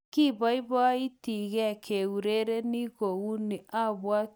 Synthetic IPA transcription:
ki˦˨βa˦i˦βɔ˦i˦ti˨ɣɛ˦˨kʰe˨u˨ɾe˦ɾe˦ni˦ɣo˨ɣu˦ni˨ʔa˦βwa˦

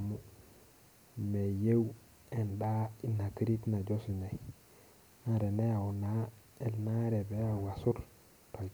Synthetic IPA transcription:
mu˦ | me˨je˦w | e˨nda˦i˦na˨ki˦ɾi˦tna˨ɟo˦si˨ne˨j | na˨ɾe˨ne˦ja˨wna˦ | e˨lna˦ɾe˨be˦a˨ɡa˨su˦ɾ | to˨lt

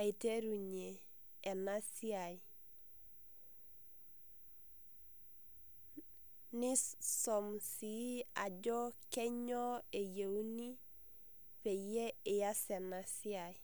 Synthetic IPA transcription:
a˨i˨te˦ɾu˨ɲeː˨ | na˦si˦a˨j | nɪ˦ssɔ˨msi˨˦a˨d͡ʒɔ˦kɛ˦ɲɔ˦e˨je˨u˦ni˦ | pe˨je˦ɪ˨ja˦sɛ˨na˨si˦a˨j

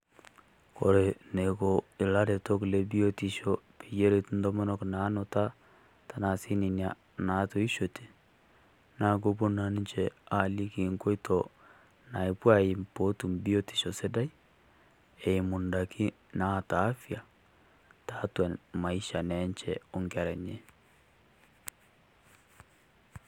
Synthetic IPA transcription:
ko˨ɾe˨ne˨ko˨i˨la˦ɾe˨to˦kle˦bi˦o˦ti˨ʃo˦pi˨je˦ɾe˨tndo˦mɔ˦nɔ˦kna˨˦no˨ta˦ | ta˦na˨si˦ni˨nja˦ | na˨to˨˦i˦ʃo˨te̥˨ | na˨˦k̬o˦p̬o˦na˨ni˦t͡ʃɛ˦a˨li˦ki˨ŋko˦i˦tɔ˨ | na˨i˨pwa˦i˨mpo˦tu˨mbi˦o˦ti̥˨ʃɔ˨se˦da˦j | ɛ˨i˨mʊ˨nda˨ki˦ | na˦˨taː˨˦fja˨ | ta˨˦twɛ˨nma˨i˦ʃa˨nɛ˦ɲt͡ʃɛ˨ʊ˨ŋɡa˨ɾɛ˨ɲe˦

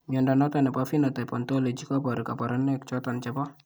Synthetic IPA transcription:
ɲɔ˨nda˨nɔ˦tɔ˨nɛ˨pa˦fi˦nɔ˨ta˨pɔ˨nto˦le˨d͡ʒi˦kɔ˦pɔ˨ɾi˨ka˨pɔ˨ɾɔ˦nɛ˦kt͡ʃɔ˦tɔ˨nt͡ʃɛ˨pɔ˦

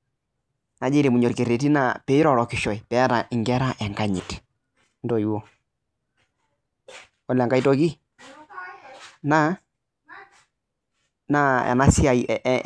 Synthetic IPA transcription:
na˨d͡ʒe˦ɾe˨mu˨ɲɔ˨ɾke˨ɾe˨ti˦na˦pe˨i˦ɾɔ˦˨ɾɔ˨kɪ˨ʃɔ˨i˨pɛ˨˦a˦ta˨ʔɪ˨ŋɡɛ˦ɾa˦ʔɛ˨ŋɡa˦ɲɪ˨t | n˦dɔ˨jwo˦ | ɔ˦lɛ˨ŋɡa˦i˦to˦ki˦ | na˦ | na˦a̰˨na˦sɪ˦a˨i˨

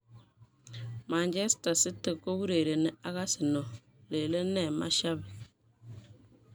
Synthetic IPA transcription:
ma˨ɲd͡ʒe˦sta˨sɪ˦tːə˨kːo˦ɡu˦ɾe˨ɾe˨ne˦a˦ɣa˦sɪ˨no˨ | le˨le˦ne˨ma˦ʃa˦b

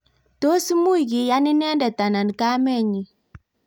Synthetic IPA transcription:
to˦si˦mu˦i˨ɣi˨ja˦ni˦nɛ˦nda˨ta˨na˨n˨ka˦mɛ˦˨ɲi˨

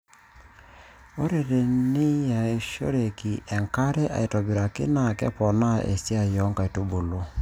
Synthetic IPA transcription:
o˦ɾe˨ɾe˨nɪ˦ja˨e˨ʃo̰˦ɾe˨ki˨ʔɛ˨ŋka˦ɾɛ˦ʔa̰˨i˨tɔ˨bi˨ɾa˨kɪ̰˦na˦˨kɛ̰˦pɔ˨na˦ʔḛ˨si˦a˨jɔ˨˦ŋka˨i˨tu˦bu˨lo˦

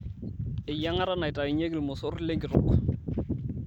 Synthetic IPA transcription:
ɪ˨ja˦ŋa˦ɾa˦na˨ɪ˨ta˨ɪ˨ɲe˦klmʊ˨so˦rle˦ŋkɪ˨rʊ˨k

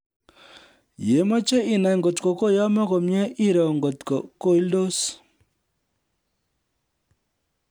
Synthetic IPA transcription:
je˨˦mɔ˦t͡ʃe˦ʔi˨na˨ŋɡo˨tkɔ˨ko˦jɔ˦mɔ˦ko˨mjɛ˦ʔi˦ɾɔ˨ŋɡo˨tkɔ˨ko˦˨i˦ldo˦s

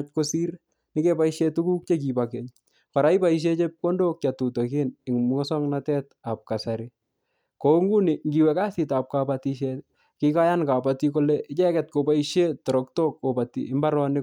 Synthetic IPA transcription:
t͡ʃko˦si˦ɾ | nɪ˦ke˦pa˦iʃe˦tu˦ku˦k̚t͡ʃek̬i˨bake˨ɲ | kɔ˨ɾa˦ipa˦iʃ̬e˦t͡ʃe˦p̚ko˦ndo˦k̚t͡ʃa˨tu˨to˨kɪnɪ˨ŋmɔ˦sɔ˦ŋnatɛ˦tap̚ka˨saɾi | koŋɡu˦nɪ˨ŋɡi˨wɛka˦si˨ta˨p̚kapatiʃɛt | kika˦janka˨patiko˦lɛ˦ʔɪt͡ʃɛ˦kɛ˨t̚ko˨pa˦iʃetɔ˨ɾɔkto˦kko˨patḭɪ˦mba˦ɾɔ˦nɪ˦

